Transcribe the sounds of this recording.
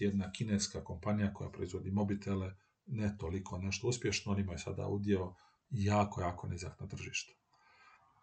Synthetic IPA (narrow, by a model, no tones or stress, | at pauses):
jed̪nakineːskako̞mpanijako̞ja̰pɾo̞izʋo̞d̪imo̞bit̪ʰele | net̪olikʰo̞ne̞ʃt̪o̞uspʲje̞ʃnoonimajesa̰d̪a̰ud̪jeo | jaːko̞jaːkoneza̰k̪nat̪r̩ʒiːʃt̪u̥